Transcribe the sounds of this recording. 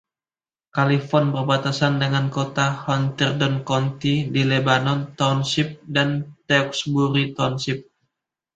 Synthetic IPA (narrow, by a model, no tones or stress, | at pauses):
kalifɔrnbərbat̪asandəŋankot̪ahɔnt̪ɛrdɔnkɔnt̪idilebanɔnt̪ɔnsip̚dant̪ɛɔksbuɾit̪ɔnsip̚